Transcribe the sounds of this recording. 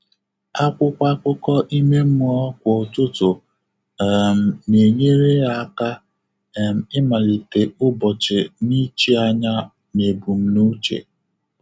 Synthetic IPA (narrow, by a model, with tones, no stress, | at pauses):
a˦kʷʊ˦kʷa˦kʷʊ˦kɔ˦ʔi˦me˦m̩˦ɔ˦kʷʊ˨tʊ˦tʊ˨ | m̩˨ne˨ɲe˦ɾe˦ɣa˨˦ka˦˨ | m̩˨ɪ˦ma˨li˨te˨ʊ˦bɔ˨t͡ʃɪ˨ni˦t͡ʃi˦a˦ɲa˦ | ne˨bu˨m̩˦nu˦t͡ʃḛ˨